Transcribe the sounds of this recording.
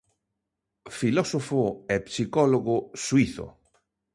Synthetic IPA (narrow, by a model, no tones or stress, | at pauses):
filɔsofʊɛpsikɔloɣoʊswiθo̰